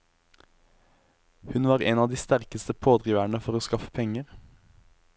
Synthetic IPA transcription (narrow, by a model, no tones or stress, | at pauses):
hʉnʋɑːʁeːnɑːd̪iːst̪æʁkəst̪əpʰoːd̪ʁiːʋæɳəfɔʁoːskɑfə̥pʰɛŋəʁ